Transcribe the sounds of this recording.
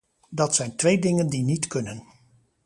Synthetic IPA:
dɑtsɛjntʋejdɪŋəndinitkɵnən

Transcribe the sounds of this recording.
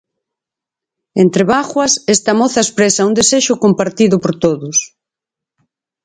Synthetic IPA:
ent̪ɾeβaɣwɐsest̪amoθaespɾesaund̪eseʃʊkompaɾt̪iðʊpoɾt̪oðʊs

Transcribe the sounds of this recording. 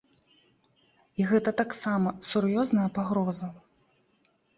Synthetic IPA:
iɣɛt̪ɐt̪aksamɐsurjɔznɐjɐpaɣɾɔzɐ

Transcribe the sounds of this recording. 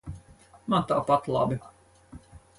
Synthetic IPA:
mɑt̪ɑːpɑt̪lˠɑ̰ːbi

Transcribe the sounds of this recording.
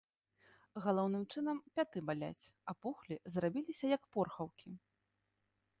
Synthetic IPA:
ɣalˠɔwnɨmt͡ʂɨnɐmpʲat̪ɨbalʲa̰t͡sʲɐpuxlʲizrabʲilʲisʲɐjɐkpɔrxɐwkʲi

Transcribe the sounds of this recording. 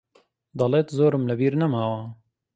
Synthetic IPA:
d̪ɑleːt̪zoːɾɨmləbiːɾnɐmaːwɑː

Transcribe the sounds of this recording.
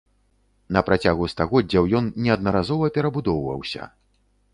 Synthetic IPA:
nɐpɾat͡sʲaɣust̪aɣɔdd͡zʲawjɔnnʲɛɐd̪̚nɐɾazɔvɐpʲɛɾɐbud̪ɔwvɐ̰wsʲɐ̰

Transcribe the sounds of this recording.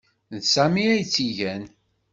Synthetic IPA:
nsæmiæjt͡sːiʝæn

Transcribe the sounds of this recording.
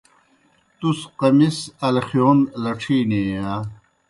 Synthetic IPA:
t̪usqɐmisɐlxijoːnlɐʈ͡ʂʰiːniːa

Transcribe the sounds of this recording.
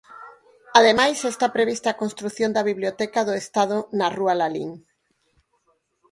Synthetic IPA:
aðemajsest̪apɾeβist̪aːkonst̪ɾuθjõnd̪ɐβiβljot̪ɛkaðʊest̪að̞ʊnarualalḭŋ

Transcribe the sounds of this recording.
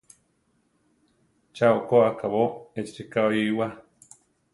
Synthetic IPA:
t͡ʃaokoakaβoet͡ʃtikaojiwa

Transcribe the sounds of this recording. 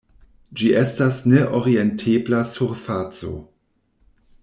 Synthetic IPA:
d͡ʒiʔestasneʔoɾientʰeblasuɾfat͡so̰

